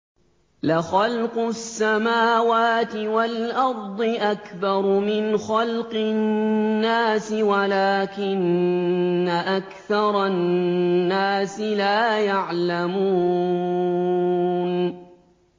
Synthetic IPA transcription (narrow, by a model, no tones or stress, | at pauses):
laxɑlqʊsːamaːwaːt̪ɪwalʔɑɾˤd̪ˤɨʔakbɑɾˤmɪnxɑlqɪnːaːsɪwalaːkɪnː | aʔakθɑɾˤɑː | aːsɪlaːjaʕlamuː | n